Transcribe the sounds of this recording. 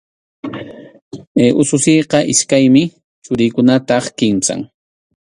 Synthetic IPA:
eːʔʊsʊsejqɑʔɪʃkajmɪ | t͡sʊɾɪjkʊnat̪ɑχkɪmsa̰ŋ

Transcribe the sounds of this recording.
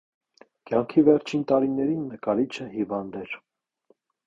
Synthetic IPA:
kjɑŋkʰivɛɾt͡ʃʰint̪ɑɾinɛɾinːəkɑlɾit͡ʃʰəɦivɑnd̪ɛɾ

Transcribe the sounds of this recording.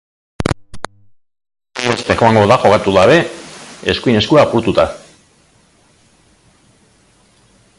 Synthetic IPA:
est̪exoaŋɡo̞ðaxo̞kat̪uɣaβe̞eskuine̞skuaːpuɾt̪ut̪a

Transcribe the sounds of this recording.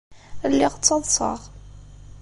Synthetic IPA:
lːɪʁt͡sːɑðˤsˤɑ̰ʁ

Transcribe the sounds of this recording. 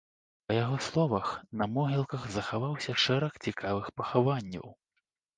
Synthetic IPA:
pɐjaɣɔslˠɔvɐxnɐmɔɣʲilˠkɐɣzɐxavawsʲɐʂɛɾɐxt͡sʲikavɨxpɐxavanʲːɐ̰w

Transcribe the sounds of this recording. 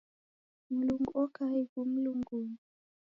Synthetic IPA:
m̩luŋɡuɔkaikum̩luŋɡuŋ

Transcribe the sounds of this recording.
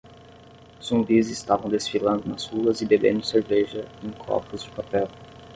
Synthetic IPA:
z̥ũmbizɪst̪avɐ̃w̃d̪esfilɐ̃nd̪ʊnɐz̥huɐzɪbebḛ̃nd̪ʊseɾvɛʒɐẽj̃kʰɔ̰pʊzd͡ʒɪpapɛw

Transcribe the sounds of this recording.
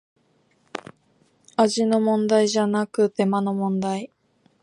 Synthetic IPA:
aʑino̞mõ̞nd̪aiʑanakɯ̟t̪e̞mano̞mõ̞nd̪ai

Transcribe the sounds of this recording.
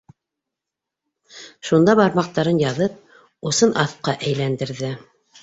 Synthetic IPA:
ʃund̪ɑβɑɾmɑq̚t̪ɑɾɤnjɑðɤp̚ | ŏsɤnʔɑθqɑʔæjlænd̪ɘ̆ɾðɘ

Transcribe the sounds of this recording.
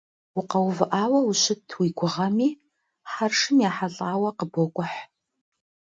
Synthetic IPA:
wʊqɐwvɨʔaːwɐwʊɕɪtʰwiːɡʷʊʁɐmiː | ħarʂɨmjaːħaɮʼaːwɐqəbokʷʼʊħ

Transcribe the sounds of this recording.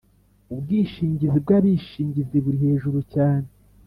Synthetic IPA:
ubɡiːʃiːɲɟizib̚ɡaβiʃiːɲɟiziβuɾihe̞ːʒuɾucaːne

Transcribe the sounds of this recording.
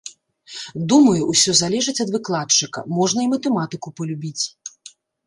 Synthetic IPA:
d̪umɐjuʔwsʲɔzalʲɛʐɨt͡sʲɐd̪vɨklˠat͡ʂɨkɐ̰mɔʐnɐimɐt̪ɛmat̪ɨkupɐlʲubʲit͡sʲ

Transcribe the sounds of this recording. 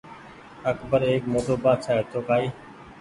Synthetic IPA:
əkbəɾeːkmoːtoːbaːt͡ʃʰaːɦeːt̪ʰoːkaːiː

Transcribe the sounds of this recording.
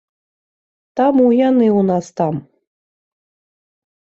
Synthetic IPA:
t̪amujanɨunast̪am

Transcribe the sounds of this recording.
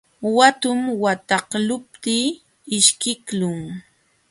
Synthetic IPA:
wat̪ʊmwat̪ɑqlʊp̚t̪iː | ɪʃkɪklʊŋ

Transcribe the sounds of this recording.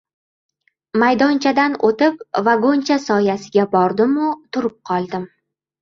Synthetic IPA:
majd̪ɒnt͡ʃʰad̪anot̪ɪpvaɡont͡ʃʰasɒjasɪɡʲabɒɾd̪ɪmʊt̪ʰʊɾʊp̚qʰɒlˠd̪ɪm

